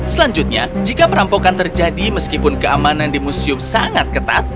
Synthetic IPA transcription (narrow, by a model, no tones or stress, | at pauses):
səlaɲd͡ʒʊt̪̚ɲa̰d͡ʒikapəɾampokant̪ərd͡ʒadiməskipʊnkəamanandimusiʊmsaŋat̪̚kət̪a̰t̪̚